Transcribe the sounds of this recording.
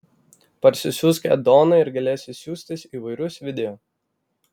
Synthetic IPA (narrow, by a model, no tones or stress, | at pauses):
pɐɾʲsʲɪsʲuːsʲkʲɛ̰d̪oːnɐɪɾɡɐlʲeːsʲɪsʲuːsʲt̪ʲɪsiːʋɐɪɾʲʊsʋʲɪd̪ʲɛjoː